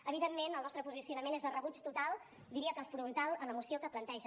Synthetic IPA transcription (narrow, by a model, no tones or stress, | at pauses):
əβ̞iðemmenəlˠnɔst̪ɾəpuzisiunəmenezðərəβut͡ʃt̪ut̪alˠ | d̪iɾiəkəfɾunt̪alˠələmusiokəplənt̪ɛʒə